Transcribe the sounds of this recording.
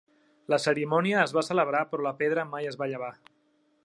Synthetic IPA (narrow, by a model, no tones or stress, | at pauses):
ləsəɾimɔniəːzβasələβ̞ɾapɾɔləpeðɾəmajəzβaʎəβ̞a